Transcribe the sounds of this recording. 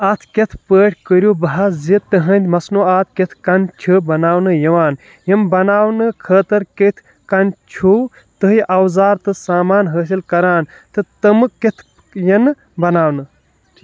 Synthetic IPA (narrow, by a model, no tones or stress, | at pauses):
ɐt̪ʰket̪ʰpəːʈʰʲkəɾʲjuːbɐɦazit̪ɨɦɐnd̪ʲmɐsnoːaːt̪̚ʰket̪ʰkɐnt͡ʃʰɨbɐnaːwnɨjɐʋaːn | jɐmbɐnaːwnɨkʰəːt̪ɐɾket̪ʰ | kɐnt͡ʃʰu | t̪ɨɦiʔɐwzaːɾt̪ɨsaːmaːnɦəːs̬ilkɐɾaːn | t̪ɨt̪ɐmɨket̪ʰ | jɐnɨ | bɐnaːwnɨ